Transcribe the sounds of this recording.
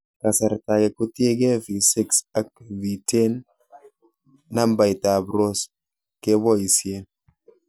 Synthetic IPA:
ka˨sa˨ɾta˨kɛ˨ku˦tje˦ɡɛ˦vi˨sɪ˦ksa˨k̚vi˨te˦n | a˦mba˨jta˨bɾo˦s | ke˦bɔ˦i˨sje˨

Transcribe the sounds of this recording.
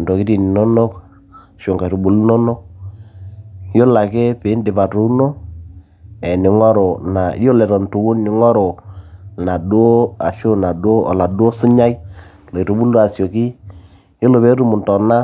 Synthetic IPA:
ndo˨ki˦di˨ni˨nɔ˦no˦k | ʃʊ˨ŋka˨ɾu˨bu˨lu˦nɔ˦no˦k̚ | jo˦la˨ke˦pɪ˨˦ndɪ˨pa˨tu˦no˦ | ɛ˨nɪ˨ŋɔ˦ɾo˨na˨jo˦lɛ˨ɾɔ˨ntu˨wu˦nːɪ˨ŋɔ˦ɾo˨na˨du˦o˦a˨ʃo˦na˨du˦o˦ɔ̰˨la˨du˦o˦si˦ɲa˦j | lo˨i˨ɾu˨bu˦lda˨sjo˨ki˦ | jo˦lo˨be˦ɾu˦mʊ˨ntɔ˨na˦

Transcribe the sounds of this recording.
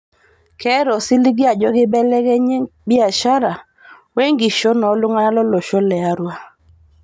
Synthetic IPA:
kʰɛ˦ɾɔ˨si˦li˦ɡɪ˦a˨d͡ʒɔ˦ɡɪ˦bɛ˦lɛ˦ɡɛ˦ɲɪ˦bɪ˦a˨ʃa˦ɾa˨ | we˦ŋɡi˨ʃɔ˦nɔ˨˦lʊ˦ŋa˦a˦lɔ˦lo˨ʃɔ˦lɛ˨a˨ɾwa˦

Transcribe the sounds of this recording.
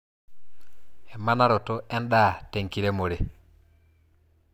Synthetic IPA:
ɛ˨ma˦na˦ɾo˨to˦ʔɛ˦nɗa˦˨te˨ŋki˨ɾe˦mo˨ɾe˨

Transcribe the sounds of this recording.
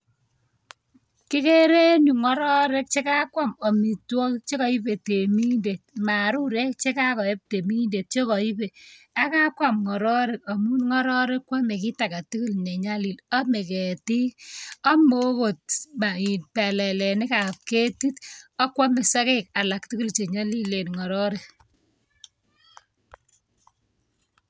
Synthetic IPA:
kɪ˦ke˦ɾe˦nu˨ŋɔ˦ɾɔ˦ɾe˦k̚t͡ʃe˦ka˦kwa˦mɔ˨mi˨twɔ˦kt͡ʃe˦kɔ˨i˦pe˨te˨mi˦nde˨t̚ma˨ɾu˦ɾe˦kt͡ʃe˦ka˦kɔ˨e˦p̚te˨mi˦nde˨t̚t͡ʃe˦kɔ˨i˦pe˨ | a˦ka˦kwa˨mŋɔ˨ɾɔ˦ɾe˨k̚ɔ˨mu˦nŋɔ˦ɾɔ˦ɾe˦kːwa˦me˨ki˦ta˨ka˨ti˦ki˦lɲe˨ɲa˦li˨lɔ˦me˨kɛ˨ti˦ɔ˦mo˦ko˨t̚ma˨i˨npɛ˨lɛ˨lɛ˨nɪ˦ka˨p̚ke˦ti˦tɔ˦kwa˦me˨sa˦kɛ˦k̚a˨la˨k̚ti˦ku˦lt͡ʃe˨ɲa˦li˦le˨nŋɔ˨ɾɔ˦ɾe˨

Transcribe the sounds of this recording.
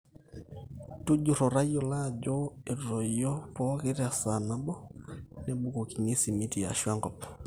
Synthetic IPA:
tu˦d͡ʒu˨ɾɔ˨ɾa˦i˦ɔ˨la˦˨d͡ʒɔ˦e˨ɾɾɔ˨i˨jɔ˦pɔ˦ɣe˦ɾa˨sa˨na˦bɔ˦nɛ˨bu˦ko˨ki˨ɲe˦si˨mi˦ti˨a̰˨ʃwa˦ŋɡɔ˨pɔ˨

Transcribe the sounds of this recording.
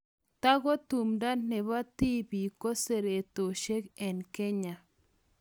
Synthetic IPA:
t̪a˦ɡo˦t̪u˨mda˦ne˨βa˦t̪i˦bi˨ko˦se˨ɾe˨t̪o˨ʃe˦kɛ˨nke˦ɲa˨

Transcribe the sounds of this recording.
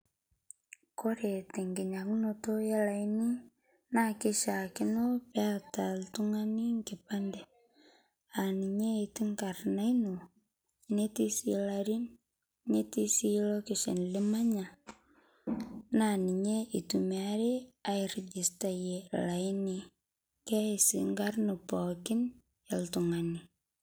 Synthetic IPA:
ko˦ɾe˨te˨ŋɡi˨ɲa˨knoto˦je˦la˨jni˦ | na˦ke˦ʃa˨kɪ˦no˦pea˦ta˨ltu˦ŋa˦ni˦ŋke˨pa˦nde˨ | a˨ni˨ɲe˦i˨ti˦ŋka˨ɾna˦i˦no˨ | ne˦ti˦sḭlaɾi˦n | ne˦ti˦si˦lo˦kɪ˨ʃḛ˨nlɪ˦ma˦ɲa˨ | na˨nɪ˨ɲe˦ʔi˨tuma˦ɾe˦a˨ɪ˨ɾd͡ʒɪ˨sta˨je˨la˨ɪ˦ni˨ | kɛ˦˨si˨ŋɡa˦rnu˨pɔ˨kɪ˦n | ja˨ltu˨ŋa˨ni˨

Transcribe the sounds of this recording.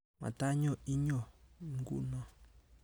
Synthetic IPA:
ma̰˨ta˦ɲɔ˦˨i˦ɲɔ˨ŋ˦ɡṵ˦nɔ˦˨

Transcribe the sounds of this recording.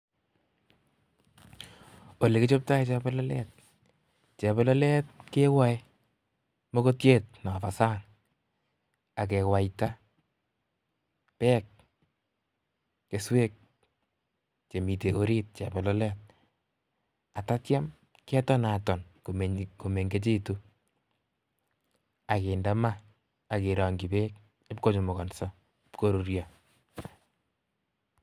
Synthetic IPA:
o˨le˨kɪ˦t͡ʃo˦p̚ta˦it͡ʃɛ˦bɔ˦lɔ˦lɛt̚ | t͡ʃɛ˨bɔ˦lɔ˦lɛ˦t̚ke˦wa˦i | mo˦ko˦tje˦t̚na˨fa˨sa˦n | a˨k̬ɛ˨wa˨ita˦ | pɛ˦k̚ | e˨swe˦k̚ | t͡ʃe˨mi˨teʔo˦ɾi˦t̚t͡ʃa˨bɛ˨lɔ˦lɛ˦t̚ | a˨ta˦tja˦m | kɛ˦tɔ˦na˨tɔ˨nkomko˨me˨ŋɡe˦t͡ʃe˦tu˦ | a˨ke˨nda˦maː˦˨ | keɾa˨ŋɡi˨be˦k̚ | e˦p̚ko˦t͡ʃo˨mɔ˨kɔ˨nsɔ˦ | pko˦ɾuɾjɔ

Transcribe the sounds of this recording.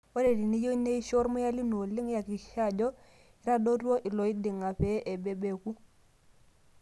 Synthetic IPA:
wo˦ɾe˨di˨ni˦jo˦i˦ne˦i˦ʃo˦ɾmʊ˦ja˦li˦no˨lɪ˦ŋ˦ja˨ki˨˦ʃa˦˨d͡ʒɔ˦ | i˦ɾa˦do˦to˦ʔi˨lɔ˨i˦dɪ˨ŋa˨pɛ˨˦ʔe˨be˨be˨ku˦

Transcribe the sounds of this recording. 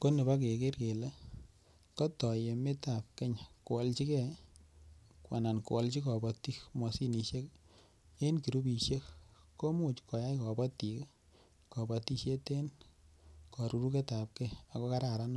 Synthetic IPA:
ko˦ne˨ba˦k̬e˨ke˦ɾke˨le˦ | kɔ˦tɔ˨je˨me˦ta˨p̚ke˦ɲa˨ko˨wɔ˨lt͡ʃi˦kɛ˦ | kwa̰˨na˨nkṵ˨wɔ˦lt͡ʃi˦kɔ˨bɔ˧ti˦kmɔ˨si˦ni˨ʃe˦k | e˦nki˨ɾu˦bi˨ʃje˦kːo˦mu˦˨t͡ʃkɔ˨ja˦jkɔ˨bɔ˦ti˨k | kɔ˨bɔ˨ti˧ʃje˦te˦n | kɔ˨ɾu˨ɾu˦ke˦tap̚kɛa˨ko˦ka˦ɾa˨ɾa˦nɔ˦

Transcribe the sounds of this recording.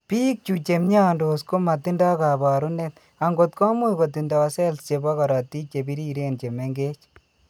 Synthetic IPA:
piː˦k̚t͡ʃut͡ʃe˨mɲa˦ndo˨sko˦ma˨ti˦nda˦ka˨ba˨ɾu˦ne˦t̪ | a˨ŋɡo˨t̪kɔ˦mu˦jko˨ti˨ndɔ˨sɛ˦lst͡ʃe˨ba˦ka˨ɾɑ˨ti˦t͡ʃe˨bi˦ɾi˦ɾe˦nt͡ʃe˨me˦ŋɡe˦t͡ʃ

